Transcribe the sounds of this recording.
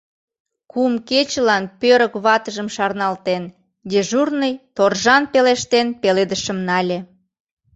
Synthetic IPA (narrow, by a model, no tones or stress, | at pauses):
kumket͡ɕəlɑnpøɾəkβɑt̪əʒəmʃɑrnɑlt̪en | d̪eʒurnəjt̪orʒɑnpeleʃt̪enpeled̪əʃəmnɑlʲe